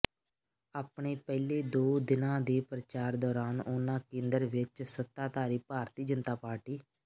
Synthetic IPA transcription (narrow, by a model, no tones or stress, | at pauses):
aːpɳeːpɛːleːd̪oːd̪ɪnãːd̪eːpɾət͡ʃaːɾd̪ɔːɾaːnonãːkẽːnd̪əɾʋɪt͡ʃsət̪ːaːt̪aːɾiːpaːɾt̪iːd͡ʒənt̪aːpaːɾʈiː